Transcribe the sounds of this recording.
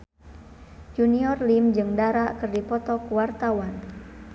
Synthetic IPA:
d͡ʒuniɔrlimd͡ʒɨŋdaɾaʔkɨrdipɔt̪ɔkuwart̪awan

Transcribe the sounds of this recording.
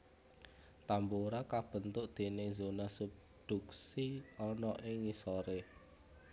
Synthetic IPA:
t̪amboɾakab̥ə̤nt̪ʊʔd̪̥e̤nɪzonasub̚ | d̪̥uksiɔnɔʔɪŋːisɔɾe

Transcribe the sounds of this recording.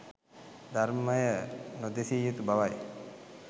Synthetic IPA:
d̪ʱaɾməjənod̪esijut̪ubaʋaj

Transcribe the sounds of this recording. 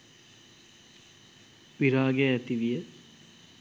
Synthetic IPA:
ʋiɾaːɡeæt̪iʋijə

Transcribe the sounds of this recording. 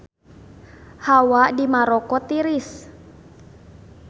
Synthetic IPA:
hawadimaɾɔkɔt̪iɾis

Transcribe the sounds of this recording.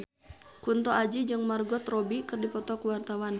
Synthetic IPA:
kunt̪ɔad͡ʒid͡ʒɨŋmarɡɔt̪rɔbikɨrdipɔt̪ɔkwart̪awan

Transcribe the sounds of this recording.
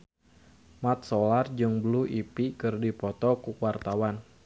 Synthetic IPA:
mat̪̚solard͡ʒɨŋbəluʔipikɨrdipɔt̪ɔkuwart̪awan

